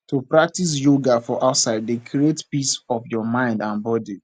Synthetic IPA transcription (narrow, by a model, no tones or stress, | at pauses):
tupɹak̚tis̬joɡafɔʔaʊtsaɪdekʰɾietpisɔfjɔmãɪ̃ndãnbɔdi